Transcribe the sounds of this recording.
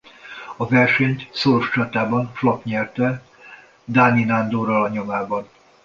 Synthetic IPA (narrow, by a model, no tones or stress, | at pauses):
ɒvɛrʃɛɲt̪soɾoʃt͡ʃɒt̪aːbɒnflɒkɲɛrt̪ɛ | d̪aːninand̪oːɾɒlɒɲo̞maːbɒn